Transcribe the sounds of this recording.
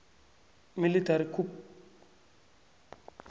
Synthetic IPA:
militaɾikʰup̚

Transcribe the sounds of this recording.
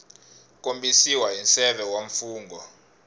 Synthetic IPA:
k̬ʼombisiwaɦinsɛɓɛwaɱfuːŋɡʱɔ

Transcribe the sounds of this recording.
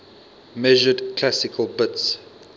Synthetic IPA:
mɛʒədkʰlasɪkʰəlˠbɪts

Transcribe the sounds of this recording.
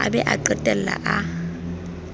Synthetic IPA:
a̰bɛʔaǃɛtʼɛl̩la̰ʔa

